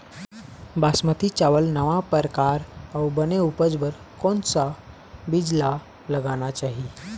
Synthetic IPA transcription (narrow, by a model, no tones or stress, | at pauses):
basmət̪it͡ɕaʋəlnəʋapəɾkaɾawbəneupəd͡zbəɾ | kɔnt͡sa | bid͡ʑla | ləɡañat͡ɕaɦi